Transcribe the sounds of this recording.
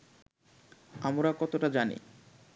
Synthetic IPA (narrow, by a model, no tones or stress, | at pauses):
amɾakɔt̪oʈad͡ʑanḭ